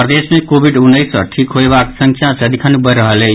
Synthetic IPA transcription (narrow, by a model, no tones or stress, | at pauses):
pɾəd̪esmekobʱiɖunːəjsə̰ʈʰikɦoebaksə̃ŋkʰjãsəd̪ʱikʰanebəɾəɦəle